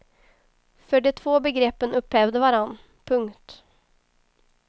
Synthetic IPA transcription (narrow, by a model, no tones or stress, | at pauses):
fœɖɪt̪ʰvoːbəɡɾeːpːənɵphɛvd̪əvaɾanː | pʰɵŋkt̪